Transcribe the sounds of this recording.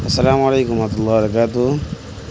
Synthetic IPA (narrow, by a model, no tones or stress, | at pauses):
ɐsːɐlaːmaleːkumat̪ulːɑːbɾɐkaːt̪u